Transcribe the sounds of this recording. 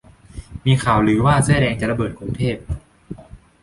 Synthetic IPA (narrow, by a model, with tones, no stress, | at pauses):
miː˧kʰaː˨˩wɾɯː˩˦waː˥˩sa˧˥dɛː˧ŋt͡ɕa˨˩ʔla˧bɤː˨˩t̪̚kʰɾu˧ŋt̪ʰeː˥˩p̚